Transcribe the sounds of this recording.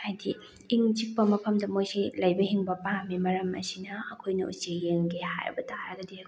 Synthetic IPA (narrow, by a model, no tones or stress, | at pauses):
hajdiː | ŋt͡ʃik̚pɐmɐpʰɐmdɐmojsilɐjbɐhiŋbɐpamimɐɾɐmɐ̰sinɐːkʰojnɐʔṵsejeŋɡeha̰jɾɐ̰bɐtaɾɐɡɐdi